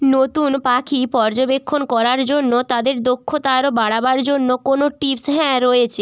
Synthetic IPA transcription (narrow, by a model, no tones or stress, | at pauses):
not̪unpakʰipɔɾd͡ʑobekʰːonkɔɾaɾd͡ʑonːot̪ad̪eɾd̪okʰːot̪aɾobaɽabaɾd͡ʑonːokonoʈipsɦɛ̃ɾoet͡ɕʰe